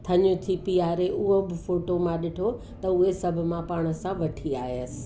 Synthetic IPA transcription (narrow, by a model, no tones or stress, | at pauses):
t̪ʰɐɲũt̪ʰipiaːɾeʔʊɦobɪfoːʈomãɗɪʈʰo | t̪ɐʊɦesɐbʱʊ̆mãpaːɽ̃ə̆sãʋɐʈʰiaːɦiəsɪ̥̆